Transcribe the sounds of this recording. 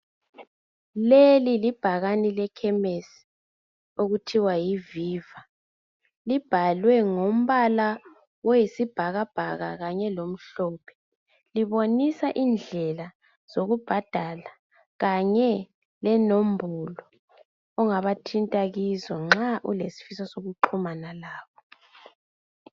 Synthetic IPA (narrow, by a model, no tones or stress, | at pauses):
lelilib̥ʱaɣanilɛkʰɛmesi̥ | oɣutʰiwajiviːva | lib̥ʱalwɛŋom̩βala | wɔjisib̥ʱaɣab̥ʱaɣa̰ɣaɲɛlom̩ɬɔːpʰɛ̥ | liβonisaʔind͡ɮʱɛla | z̥oɣub̥ʱad̥ʱala | ɣaɲɛ | lɛnombʱulɔː | ŋaβatʰintʼaɣizɔŋ͡ǁaʔṵlesi̥fisɔsoɣuǃʰumanalaːβɔ